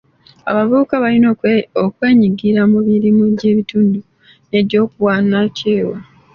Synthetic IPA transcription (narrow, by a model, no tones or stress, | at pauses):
a̰βaβuːkaβalinookwe̞ːɲiɡiɾamuβiɾimude̞ːβituːndu | ne̞do̞ːkuwaːnaceːwa